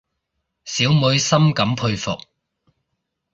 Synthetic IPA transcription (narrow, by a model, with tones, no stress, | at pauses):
siː˨˥wmʊ˨˧˥ɥsɐ˥mkɐ˨˥mpʰɵ˧ɥfʊ̰˨k̚